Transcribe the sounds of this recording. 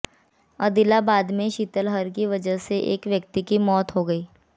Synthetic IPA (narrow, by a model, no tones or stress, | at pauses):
ɐd̪ɪlabaːd̪mẽʃiːt̪əlɦəɾk̬iʋɐd͡ʒəɦseʔḛːkʋjək̚t̪ikimɔːt̪ɦoɡəiː